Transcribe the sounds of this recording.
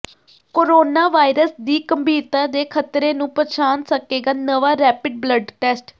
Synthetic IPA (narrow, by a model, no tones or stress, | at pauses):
koːɾoːnaːʋaːɪɾəsd̪iːkəmbʱiːt̪ãːd̪eːkʰət̪ɾeːnũːpət͡ʃʰaːnsəkeːɡaːnəʋaːɾɛːpɪɖ̚bləɖʈɛːsʈ